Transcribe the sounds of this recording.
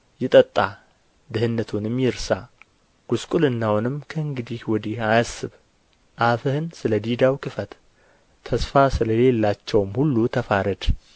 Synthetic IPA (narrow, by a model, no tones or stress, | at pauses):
jɪt̪ʼət̪ʼːa | d̪ɨhɨnːət̪ʰunmjɪɾsa | ɡ̥uskʼulɨnːawnɨmkʰəɨŋɡɨd̪ihwɔd̪ihajasːɨβ | ʔafəhɨnsɨləd̪id̪awkʰɨfət̪ | t̪ʰːəsfasɨləle̞lːat͡ʃːɛwmhulːut̪ʰəfaɾəd̪